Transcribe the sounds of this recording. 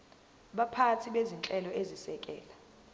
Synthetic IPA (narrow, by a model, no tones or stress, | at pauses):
ɓapʰatʰiɓezint͡ɬʼɛlɔezisɛkʼɛ̰ːla